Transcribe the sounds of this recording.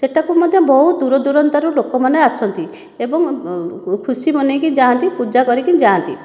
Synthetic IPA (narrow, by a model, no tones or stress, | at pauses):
seʈʰakumɔd̪ʱjɔbɔɦud̪uɾɔd̪uɾɔnt̪aɾulokɔmaneasɔnt̪i | ebɔŋ | kʰusimɔnekid͡ʒaːnt̪ipud͡ʒakɔɾikid͡ʒaant̪i